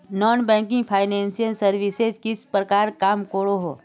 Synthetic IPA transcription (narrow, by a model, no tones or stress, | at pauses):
nɔːnbɛ̃ːŋkɪ̃ŋɡpʰaːɪnɛ̃ːnsijəlsɐɾʋɪsezkɪspɾəkaːɾkaːmkoːɽoɦoː